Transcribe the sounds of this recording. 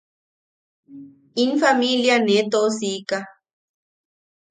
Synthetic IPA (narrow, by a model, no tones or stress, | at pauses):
infamiljanet̪osika